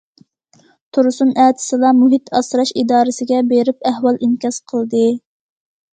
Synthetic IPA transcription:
t̪ʰuɾɨsunʔæːt̪ʰɪ̥sɨlˠɑmuɦit̪ɑsɾɑʃid̪ɑːɾɨsɪɡʲɛbeɾɪp̚æhwɑlˠinkʲɑsqʰəlˠd̪ɨ

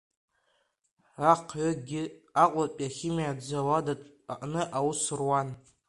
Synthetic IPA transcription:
aqʰʕaɡʲɪaqʷʼapʼjaχʲimiadd͡zaladatʼ | aʔʼnɨʔawusɨrwan

